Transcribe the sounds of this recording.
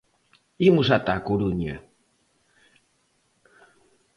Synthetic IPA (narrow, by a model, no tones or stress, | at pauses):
imusat̪akuɾuɲa̰